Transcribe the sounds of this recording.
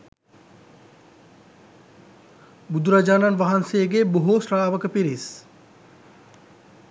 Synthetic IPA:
bud̪uɾad͡ʒaːnanʋaɦansejəɡeboɦosraːʋəkəpiɾis

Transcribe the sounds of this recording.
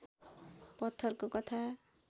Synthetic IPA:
pʌt̪ʰːʌrkokʌt̪ʰa

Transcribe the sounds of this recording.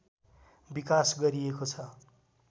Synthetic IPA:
bikasɡʌɾiekot͡sʰʌ

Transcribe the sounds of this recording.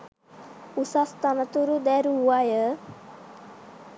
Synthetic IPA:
usast̪anət̪uɾud̪ɛɾuwajə

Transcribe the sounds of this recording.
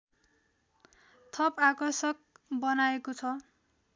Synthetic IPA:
t̪ʰʌpakʌrsʌk̚bʌnaekot͡sʰʌ

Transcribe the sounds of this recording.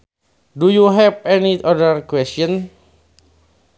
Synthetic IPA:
dujuɦɛvɛniʔɔdərkwɛstɔn

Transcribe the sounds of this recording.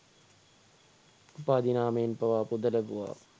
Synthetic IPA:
upaːd̪inaːməjenpɐʋaːpud̪ələbuʋa̰ː

